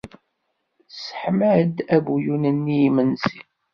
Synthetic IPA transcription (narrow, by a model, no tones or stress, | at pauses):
sə̥ħməd̪æbujunənːijmənsi